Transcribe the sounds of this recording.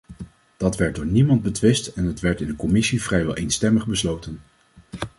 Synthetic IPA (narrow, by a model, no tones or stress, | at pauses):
d̥ɑtʋɛɹt̚dʊːɹnimɑnd̚bətʋɪstɛnɦətʋɛɹtɪndəkɔmɪsivrɛjʋɛ̰lˠʔejnstɛməχbəslowtən